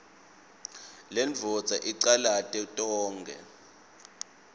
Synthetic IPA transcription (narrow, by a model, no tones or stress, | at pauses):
lɛnd͡vʱɔdd͡zʱaʔiǀalatʼɛtʼɔːŋɡʱɛ̰